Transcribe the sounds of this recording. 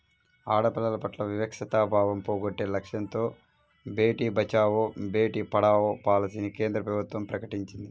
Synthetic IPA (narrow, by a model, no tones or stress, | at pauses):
aːɽɐpɐlɐlɐpɐʈlɐʋiʋɐkʂɐt̪aːbʱaːʋɐmpoːɡoʈːe̞ːlɐkʂjɐnt̪o̞ː | beːʈiːbʱɐt͡ʃaːʋobe̞ːʈiːpɐɽaːʋoːpaːlɐsinike̞ːnd̪ɾɐpɾɐbut̪wɐmpɾɐkɐʈiɲt͡ʃind̪i